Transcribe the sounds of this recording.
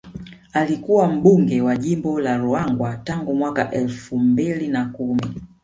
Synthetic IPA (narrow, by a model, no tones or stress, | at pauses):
alikuwam̩ɓuŋɡɛwaʄimbɔlaɾuaŋɡwataŋɡumwaka̰ʔɛlfumbilinakumi